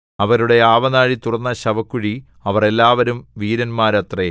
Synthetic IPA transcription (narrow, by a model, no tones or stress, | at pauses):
ɐʋɐɾuɽe̞aːʋɐnaːɻit̪urɐnːɐɕɐʋɐkːuɻi | ɐʋɐre̞lːaːʋɐɾumʋiːɾɐnmaːɾɐt̪re